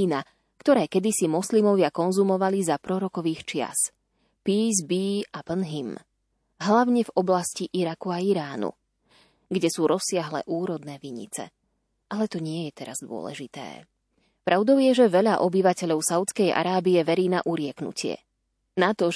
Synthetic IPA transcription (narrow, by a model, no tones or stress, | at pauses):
na | kt̪ɔɾɛːkɛd̪isimɔslimɔʋɪakɔnzumɔʋalizapɾɔɾɔkɔʋiːxt͡ʃɪa̰s | piːzbiːapənɦim | ɦlaʊɲɛvɔblasciʔiɾakuaiɾaːnṵ | ɡɟɛsuːɾɔsːɪaɦlɛ̰ʔuːɾɔd̪nɛːʋiɲḭt͡sɛ̰ | ʔalɛt̪ɔɲɪɛjɛt̪ɛɾazd̪ʊɔ̰lɛ̰ʒit̪ɛ̰ː | pɾʔaʊd̪ɔʊjɛʒɛʋɛʎaʔɔbiʋacɛʎɔʊsaʊt͡skɛjʔa̰ɾaːbiɛʋɛɾiːna̰ʔuɾɪɛknṵcɪɛ̰ | nat̪ɔ